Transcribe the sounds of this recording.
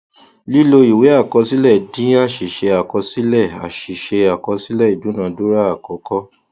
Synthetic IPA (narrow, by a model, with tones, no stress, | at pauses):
li˦lo˧i˨we˨˦a˦˨kɔ˧si˦lɛ˦˨dĩ˨˦a˦˨ʃi˨ʃe˧a˨kɔ˧si˦lɛ˦˨a̰˨ʃi˨ʃe˧a˨kɔ˧si˦lɛ˦˨i˨dũ˨˦nã˧˨du˦ɾa˦a˨kɔ˨˧˦kɔ˦